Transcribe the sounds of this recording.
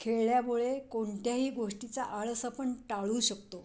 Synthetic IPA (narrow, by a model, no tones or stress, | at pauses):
kʰeɭɭjamuɭekoɳt̪jaɦiːɡoʂʈit͡saʔaɭsapəɳʈaɭuːɕəkt̪o